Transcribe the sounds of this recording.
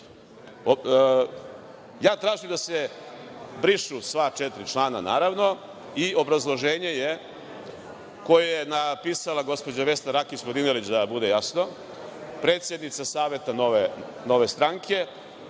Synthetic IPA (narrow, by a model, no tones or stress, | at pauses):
jaːt̪ɾaːʒimd̪ase | bɾiʃusʋat͡ʃet̪ɾit͡ʃlˠaːna̰na̰ːɾaʋno̞ | iʔo̞bɾazlˠoʒeːɲe̞je | ko̞jejenapiːsalaɡo̞spo̞d͡ʑaʋe̞st̪aɾakispod̪inelit͡ɕd̪abud̪e̞jasno̞ | pɾe̞ːt̪sje̞d̪nit̪sasaːʋe̞t̪anoʋe | no̞ʋe̞st̪ɾaŋkʰe̞